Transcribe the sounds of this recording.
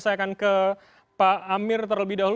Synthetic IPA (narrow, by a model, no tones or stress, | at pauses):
sajakankə | paːmɪrt̪ərləbɪihdaɦul